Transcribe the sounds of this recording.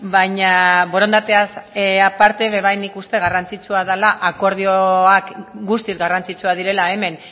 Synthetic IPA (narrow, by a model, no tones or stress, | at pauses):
bajɲaβo̞ɾo̞nd̪at̪e̞asapaɾt̪e̞βe̞βajnikust̪e̞ɣarant͡sit͡suaðalaʔako̞ɾð̞ioakɡust̪izɡarant͡sit͡suað̞iɾe̞laeme̞n